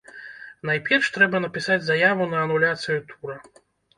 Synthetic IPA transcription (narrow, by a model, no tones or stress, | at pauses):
najpʲɛrʂt̪ɾɛbɐnɐpʲisad͡zʲzajavunɐːnulʲat̪sɨjut̪ʰuɾɐ